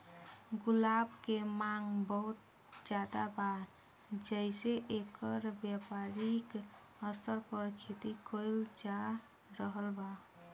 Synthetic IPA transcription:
ɡulabkemaŋɡbəɦut̪̚ | d͡ʒad̪abaɾ | d͡ʒəɪseʔekəɾbjapaɾik | əst̪əɾpəɾkʰet̪ikojld͡ʒa | ɾəɦəlba

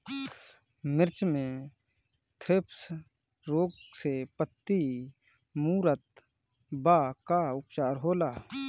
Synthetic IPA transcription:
mɪɾt͡ʃmẽ | t̪ʰɾɪps | ɾoːɡsepət̪ːi | muːɾət̪̚ | baːkaʊpt͡ʃaːɾɦoːlaː

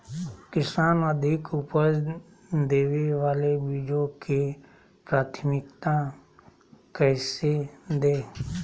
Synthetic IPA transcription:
kɪsaːnəd̪ʱɪkʊpəɾ | d̪eːʋeʋaːlebiːd͡ʒõke | pɾaːt̪ʰmɪkt̪ã | kɛːsed̪eː

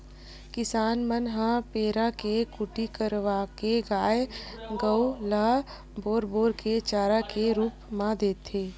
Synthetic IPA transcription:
kɪsaːnmənɦãpeːɾakekʊʈikəɾʋakeɡaːjɡəwlaː | boːɾboːɾket͡ʃaːɾakeɾuːpmãd̪eːt̪ʰeː

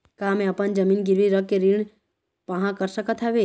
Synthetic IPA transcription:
kamẽɐpənd͡ʒɐmiːnɡɪɾʋiɾəkkeɾiɳ̃ | pɐɦãkəɾsəkət̪ʰɦaʋeː

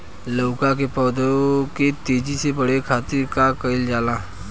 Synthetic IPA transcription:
loːkãk̬epɔːd̪oket̪eːd͡ʒisebəɽ̤ekʰaːt̪ɪɾkakəɪld͡ʒaːlaː

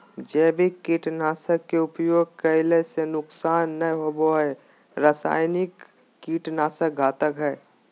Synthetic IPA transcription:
d͡ʒɛːbʱikiːʈnaːsəkːeʊpjoːɡ̚kəɪlesenʊksaːnːəjɦoboɦɛ | ɾasa̰ːjnɪkː | iːʈnaːsək̚ɡʱaːt̪əkɦɛː

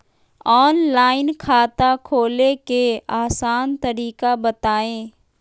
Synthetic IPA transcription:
ɔːnlaːɪnkʰaːt̪akʰoːlekeaːsaːnt̪ɐɾiːkabɐt̪aːẽː

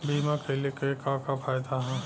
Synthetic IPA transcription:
biːmãkʰelekekãːkapʰaːjd̪aɦɛ̃

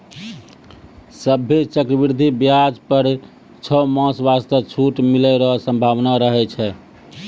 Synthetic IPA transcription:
səbʱːet͡ʃəkɾəbiɾd̪ʱibjad͡ʒpəɾ | t͡ʃʰəmɔ̃sbast̪ət͡ʃʰuʈmilɛɾəɦsə̃mbʱaʋnaɾəɦɛt͡ʃʰɛ

